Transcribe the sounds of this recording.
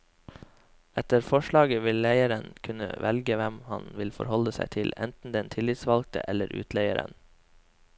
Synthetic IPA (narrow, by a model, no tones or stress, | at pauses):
ɛt̪əɾfɔʃɭɑːɡəʋɪlːæɪəɾənkʰʉnə̰ʋɛlɡəʋɛmhɑ̰nʋɪlfɔ̰ɾhɔləsæɪt̪ʰɪlɛ̰nt̪n̩d̪ɛnt̪ʰɪlɪt̪sʋɑlɡ̚t̪ə̰ʔɛləɾʔʉ̰ːt̪ʰleɪəɾə̰n